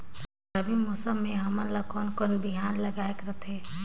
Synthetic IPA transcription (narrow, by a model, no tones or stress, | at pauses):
kəbʱimoːsəmːẽɦɐmənlakoːnkonbɪɦaːnlɐɡaːekɾɐt̪ʰɦɛː